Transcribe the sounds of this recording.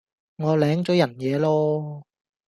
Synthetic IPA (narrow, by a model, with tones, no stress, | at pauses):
ŋɔː˨˧lɛː˨˥ŋt͡sɔː˨˥jɐ˨˩njɛː˨˧lɔː˥